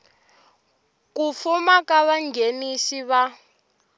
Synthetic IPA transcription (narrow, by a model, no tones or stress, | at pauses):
kufumakaβaŋɡʱeniʃiβa